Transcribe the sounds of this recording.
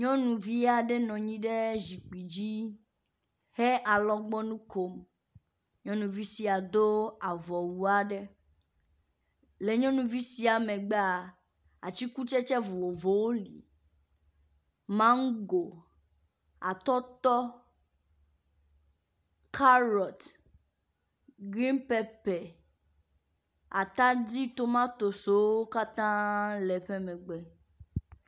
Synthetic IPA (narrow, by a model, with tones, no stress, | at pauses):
ɲɔ̃˦nũ˨vi˦a˨ɖe˦nɔ̃˨ɲĩ˦ɖe˦zi˨k͡pi˨d͡ʑi˦ | he˦ʔa˨lɔ˦ɡ͡bɔ˦nũ˦kʰo˦m | ɲɔ̃˦nũ˨vi˦si˨a˨d̪o˦a˨vɔ˨wu˨a˨ɖe˦ | le˨ɲɔ̃˦nũ˨vi˦si˦a˨mẽ˨ɡ͡bɛ˦a˨ | a̰˨t͡ɕi˦ku˦t͡ʃɛ˦t͡ʃɛ˦vo˨wo˨vo˨wo˦lḭ˨ | mã˦ŋ̩˦ɡo˨ | a˨t̪ɔ˦t̪ɔ˦ | kʰa˦lɔ˨t̪ | ɡɾi˦npɛ˦pɛ˨ | a˨t̪ã˦di˦t̪o˦mã˦t̪o˨so˨˦wo˦ka˦t̪ã˦lɛ˨ɸɛ˦mɛ̃˨ɡ͡bɛ˦